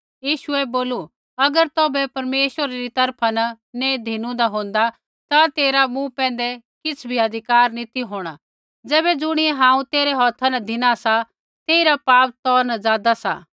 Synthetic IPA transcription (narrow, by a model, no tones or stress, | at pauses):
jiːʃʊɛboːlu | ɐɡəɾt̪ɔːbɛpɐɾmeːʃwəɾaɾit̪ɐɾpʰanɐ | ned̪ʱɪnũd̪aɦõːn̆d̪a | t̪at̪eːɾamũpɛ̃ːnd̪ɛkɪt͡sʰbʱiɐd̪ʱɪkaːɾnɪt̪iɦoːɽ̃a | d͡zɛːβɛd͡zʊɽ̃ɪɛɦãːũt̪eːɾɛɦɔːt̪ʰanɐd̪ʱɪñasa | t̪eːiɾapaːp̚t̪ɔːɾnɐd͡zaːd̪asa̰